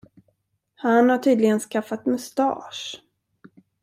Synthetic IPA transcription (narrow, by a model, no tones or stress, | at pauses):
hanhaʈʰyːd̪lɪɡənskafːat̪mɵst̪ɑ̰ːʂ